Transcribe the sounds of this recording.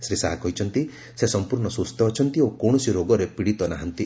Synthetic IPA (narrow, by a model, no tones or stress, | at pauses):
sɾisaɦakɔɦit͡ʃʰɔnt̪i | sesɔmpuɾɳɔsust̪ɔːt͡ʃʰɔnt̪iokɔɳ̃ɔsiɾoɡɔɾepiɽit̪ɔnaɦɔnt̪i